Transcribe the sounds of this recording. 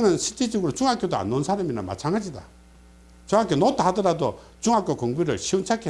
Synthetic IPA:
nasʰit̪it͡ɕikut͡ɕuŋakʲot̪a̰nonsʰanaminːama̰t͡ɕʰaŋat͡ɕit̪a̰ | t͡ɕuŋakʲonɔt̪at̪əɾat̪o | t͡ɕuŋakʲokʰuŋbiɾaɕʰint͡ɕʰakʰe

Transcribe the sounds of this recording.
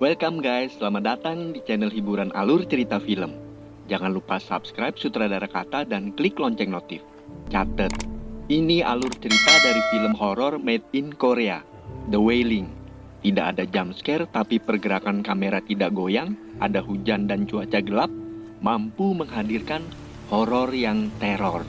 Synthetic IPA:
wɛlkamɡajsəlamadat̪aŋdit͡ʃɛnəlɦibuɾanʔa̰lʊrt͡ʃəɾit̪afiləm | d͡ʒaŋanlupasa̰pskɾajp̚sut̪ɾadaɾakat̪adankliklɔɲt͡ʃɛk̚not̪ɪf | t͡ʃat̪ət̪̚inia̰lʊrt͡ʃəɾit̪adaɾifiləmɦɔɾɔrmɛt̪̚inkoɾea | dəwelɪŋ | t̪idaʔa̰dad͡ʒamskɛrt̪apipərɡəɾakankameɾat̪idaʔɡojaŋ | ʔa̰daɦud͡ʒandant͡ʃuat͡ʃaɡəlap̚ | mampuməŋɦadirkan | hɔɾɔrjaŋt̪ɛɾɔr

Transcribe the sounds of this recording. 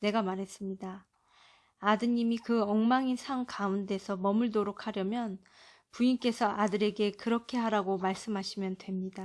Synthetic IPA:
ne̞ɡamaɾɦe̞s͈ɯmɲidaː | dɯɲimikɯʌŋmaŋinsʰaŋkaunde̞sʰʌmʌmɯɭtoɾokʰaɾjʌmjʌn | puink͈e̞sʰʌʔadɯɾe̞ɡe̞kɯɾʌkʰe̞ɦaɾaɡomaɭs͈ɯmɦaɕʰimjʌndwe̞mɲida

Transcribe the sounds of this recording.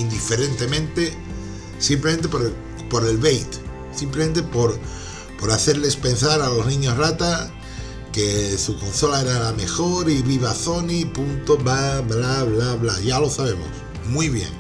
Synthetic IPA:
ind̪ife̞ɾe̞nt̪e̞mẽnt̪e | simplement̪epoɾe | po̞ɾe̞lβejt̪ | simplement̪epo̞ɾ | po̞ɾaθe̞ɾle̞spe̞nsaɾalo̞znĩɲo̞srat̪a | ke̞suko̞nso̞lae̞ɾalame̞xo̞ɾiβiβaθo̞nipunt̪oβablaβlaβlaʝalo̞saβe̞mo̰s | mwiβ̞jḛŋ

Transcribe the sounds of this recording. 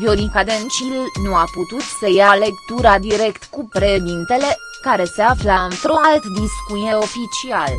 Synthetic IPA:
vionikad̪ent͡ʃilnuaput̪ut̪səjale̞kt̪uɾad̪iɾe̞kt̪kupɾeʃd̪int̪e̞le̞ | kaɾe̞se̞aflaɨnt̪ɾualt̪d̪iskujeo̞fit͡ʃial

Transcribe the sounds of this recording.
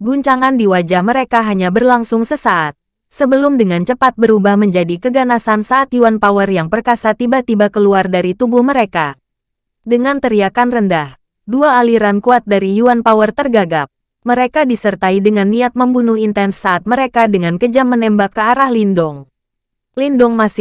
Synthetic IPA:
ɡuɲt͡ʃaŋandiwad͡ʒahməɾekaɦaɲabərlaŋsʊŋsəsaʔat̪̚ | səbəlʊmdəŋant͡ʃəpat̪̚bəɾubahməɲd͡ʒadikəɡanasansaːt̪juanpawərjaŋpərkasat̪ibat̪ibakəluardaɾit̪ubʊhməɾeka | dəŋant̪əɾiakanrəndah | duaːliɾankuat̪̚daɾijuanpawərt̪ərɡaɡap̚ | məɾekadisərt̪aidəŋanːiat̪̚məmbunʊhint̪ɛnsːaːt̪̚məɾekadəŋankəd͡ʒamːənɛmbakːəaɾahlindɔŋ | lindɔŋmasɪ

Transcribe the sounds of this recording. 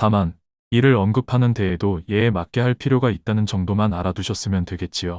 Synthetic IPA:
taman | iɾɯɾʌnɡɯpʰanɯnte̞ɦedoje̞ːmak͈e̞ɦaɭpʰiɾjoɡait̚t͈anɯnt͡ɕʌŋdomanaɾaduɕʰʌs͈ɯmjʌntwe̞ɡe̞t̚t͡ɕ͈ijo

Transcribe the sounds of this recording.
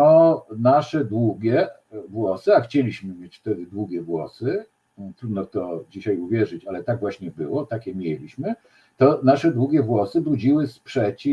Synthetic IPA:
ɔnaʂɛd̪wuɡʲɛ | vwɔsɘaxt͡ɕelʲiɕmɘmʲjet͡ɕft̪ɛd̪ɘd̪wuɡʲɛvwɔ̰sɘ | t̪ɾud̪nɔt̪ɔd͡ʑiɕajuvʲjɛʐɘt͡ɕalɛt̪aɡvwaɕɲɛbɘwɔt̪akʲɛmʲjelʲiɕmɘ | t̪ɔnaʂɛd̪wuɡʲɛvwɔsɘbud͡ʑiwɘspʂɛt͡ɕi

